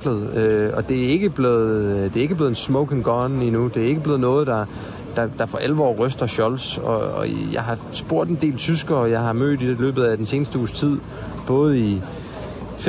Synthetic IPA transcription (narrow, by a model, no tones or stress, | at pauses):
lðˠøɒ̽d̥e̝æe̝ɡ̥əb̥leð̩ˠd̥e̝æe̝ɡəb̥le̝ð̩ˠnsmɔʊɡʰeŋɡ̥ɒːninud̥e̝æɐe̝ɡəb̥leðˠnɔ̽ːð̞̩ˠd̥ɑ̈ | d̥ɑ̈d̥ɑ̈fɒʔælʋɒ̰ːʁœsd̥ɐɕɒ̽lsɒ̽ɒ̰̽jɑ̈ɪɦɑ̈ | sb̥o̝ɐ̰d̥end̥e̝̰ːlt͡sʰysɡ̥ɐːjɑ̈ɪɦɑ̈mø̰ːd̥id̥eilø̰ːb̥ð̩ˠæd̥ense̝ːnəsd̥əuːst͡sʰið̞̰ˠ | b̥ɔ̽ːð̩ˠi | t͡sʰ